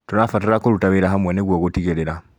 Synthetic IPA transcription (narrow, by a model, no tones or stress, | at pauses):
tonafatiɾakolutaβeɾaɦamweneɣwoɣotiɣeleɾa